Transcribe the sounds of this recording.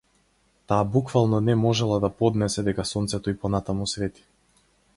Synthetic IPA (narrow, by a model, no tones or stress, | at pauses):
t̪aːbukvalˠnɔnɛmɔʒɛlˠad̪apɔd̪nɛsɛd̪ɛkasɔnt̪sɛt̪ɔipɔnat̪amusvɛt̪i̥